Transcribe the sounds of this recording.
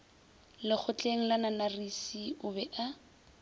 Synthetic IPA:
lɪk͡xʰʊt͡ɬeŋ̩lananarisiʊbɛʔa

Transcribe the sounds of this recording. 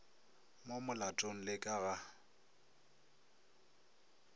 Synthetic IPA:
momʊlatʼoŋ̩lɪkʼaɣa

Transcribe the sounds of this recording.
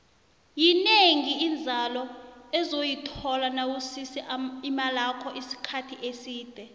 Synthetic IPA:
jineŋiːnd͡zʱalɔɛzojitʰɔlanawusisiimalakʰɔʔisi̥kʰatʰiʔesiːd̥ʱɛ

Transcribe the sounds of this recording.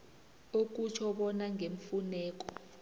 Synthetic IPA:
ok̬ʼut͡ʃʰɔɓɔnaŋʱeɱ̩funɛːk̬ɔ

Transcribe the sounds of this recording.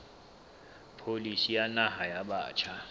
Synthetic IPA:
pʰolisijanaɦajaɓaːt͡ʃʰa

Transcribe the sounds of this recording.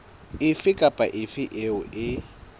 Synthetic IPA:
ɪfɪkʼapʼaʔɪfɪʔeʊʔɪ

